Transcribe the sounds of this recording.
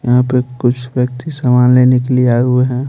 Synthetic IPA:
jɐɦãpekʊt͡ʃʰʋjək̚t̪isaːmaːnleːnekeliaːeɦueɦɛ̃

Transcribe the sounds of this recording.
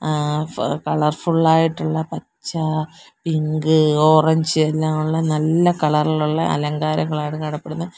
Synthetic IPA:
kɐɭɐrfuɭːaːjiʈːuɭːɐpɐt͡ɕːɐpiŋɡɨoːrɐɲd͡ʑɨelːaːmuɭːɐnɐlːɐkɐɭɐrɐɭuɭːɐʔɐ̰lɐŋɡaːɾɐŋːɐɭaːjiʈːɨkɐɽɐpːeɽunːɐð

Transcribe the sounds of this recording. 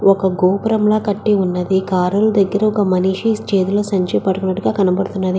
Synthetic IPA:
ɔkɐɡoːpɾɐmlaːkɐʈːiunːɐd̪ikaːɾuld̪ɐɡːɐɾɐɔkɐmɐniːʂit͡ʃeːd̪uloːsɐɲt͡ʃɐjpɐɽukunːɐʈːuɡaːkɐnɐbɐɽut̪unːɐd̪i

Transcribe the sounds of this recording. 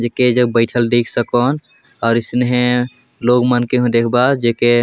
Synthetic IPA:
d͡ʒeked͡ʒəɡ̚bəɪʈʰəlɖikʰsəkɔn | ɔːɾisneɦẽ | loɡmənkeɦũd̪ekʰbad͡ʒeke

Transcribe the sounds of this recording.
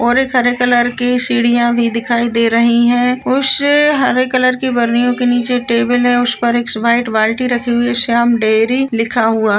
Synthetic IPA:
ɔːɾeːkɦɐɾeːkɐləɾkisiːɽijãbʱid̪ɪkʰaːid̪eːɾɐɦiɦɛ̃ʊseɦɐɾekɐləɾkebɐɾnijõkeniːt͡ʃeʈeːbəlɦɛ̃ʊspɐɾeːksʋaːɪʈʋaːlʈiɾɐkʰiɦʊeʃaːmɖeːɾilɪkʰaɦuaɦ

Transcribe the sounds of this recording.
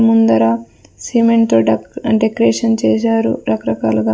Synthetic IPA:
mund̪ɐɾaː | siːmeɳʈt̪oːɖɖekɐɾeːʂɐnt͡ʃɛːʃ̬aːɾṵɾɐkɐɾɐka̰ːluɡaː

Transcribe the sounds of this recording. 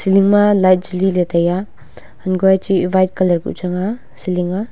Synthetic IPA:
siliŋmɐlajt̚d͡ʒililetʰaja | ɐnɡojat͡ʃibajt̚kɐlɐɾɡiṵt͡ʃaŋa | siliŋa

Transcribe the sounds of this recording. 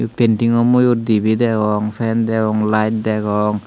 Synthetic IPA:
pentiŋɔmojot̚dibidɛɡɔŋpʰɛndɛɡɔŋlajt̚dɛɡɔŋ

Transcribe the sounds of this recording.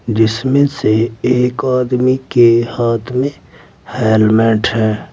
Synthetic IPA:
d͡ʒɪsmẽseeːkaːd̪mikehaːt̪ʰmẽ | hɛːlmɛ̃ːʈhɛː

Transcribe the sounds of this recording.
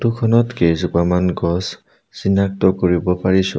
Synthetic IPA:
tukʰɔnɔtkezubamanɡɔs | sinːak̚tɔkoɹibɔpaɹisʊ̰

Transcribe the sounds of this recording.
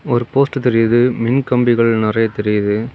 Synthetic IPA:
ɔɾɯpoːsʈɯt̪ɛɾɪjɐðɯmɪnkɐmbɪɣɐɭnɪrɐjɐt̪ɛɾɪjɐðɯ

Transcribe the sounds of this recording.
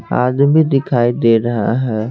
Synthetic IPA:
a̰ːd̪mid̪ɪkʰaːid̪eɾɐɦa̰ɦɛː

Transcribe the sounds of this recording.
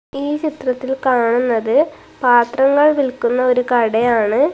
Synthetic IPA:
iːt͡ɕit̪rɐt̪ːilkaːɳunːɐðɨ | paːt̪rɐŋːɐɭʋilkunːɐo̞ɾukɐɽejaːɳɨ

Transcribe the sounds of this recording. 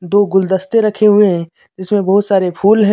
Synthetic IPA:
d̪oːɡʊld̪əst̪eɾɐkʰeɦʊeɦɛ̃ː | d͡ʒɪsmẽbɐɦʊt̪saːɾepʰuːlɦɛ̃

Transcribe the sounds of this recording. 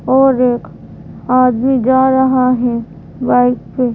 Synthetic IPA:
ɔːɾeːk | aːd̪mid͡ʒaːɾɐɦaɦɛ | baːɪkpe

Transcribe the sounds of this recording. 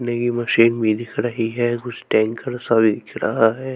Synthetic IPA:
nekimɐʃiːnbʱid̪ɪkʰɾɐɦiɦɛkʊt͡ʃʰʈɛ̃ːŋkəɾsabʱid̪ɪkʰɾaɦaɦɛː

